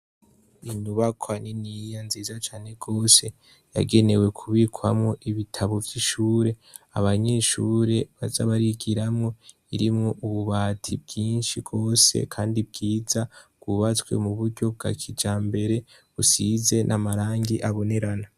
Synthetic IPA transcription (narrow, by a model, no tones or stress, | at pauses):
iɲuβakʰwaninijanziːzat͡ʃaːne̞ɡo̞ːse̞ | ja̰ɡe̞ne̞we̞kʰuβikʰwamŋo̞ʔiβitʰaβo̞vjiʃuːɾe̞ | aβaɲe̞ʃuːɾe̞βaza̰βaɾiɡiɾamŋo̞ | iɾimŋo̞ʔuβuβaːtʰibɡ̥iːnʃiɡɡ̥o̞ːse̞̰kʰaːndib̚ɡiːzaɡ̥wuβat͡swe̞̰muβuɾɟo̞b̚ɡa̰kʰid͡ʒaːmbe̞ɾe̞ | βusize̞nʔamaɾaːŋɡiʔaβo̞ne̞ɾana